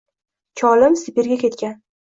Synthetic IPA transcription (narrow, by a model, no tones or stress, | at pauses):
t͡ʃʰɒlɪmsɪpeɾɡʲakʲʰe̞t̪kʲan